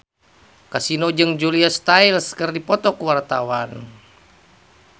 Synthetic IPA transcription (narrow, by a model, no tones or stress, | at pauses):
kasinod͡ʒɨŋd͡ʒuliast̪ailskɨrdipɔt̪ɔkuwart̪awan